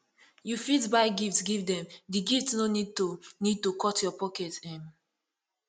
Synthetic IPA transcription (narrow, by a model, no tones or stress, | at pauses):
jufitbaɪɡiftsɡivdɛ̃mdiɡiftsnonid̚tunid̚tukʰɔtjɔpɔkɛtɛ̃m